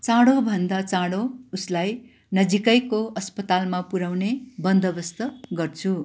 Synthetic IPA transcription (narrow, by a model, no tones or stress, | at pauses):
t͡sãɽobʱʌnd̪at͡sãɽouslaj | nʌd͡zikʌjkoʌspʌt̪almapuɾawnebʌnd̪ʌbʌst̪ʌɡʌrt͡sʰu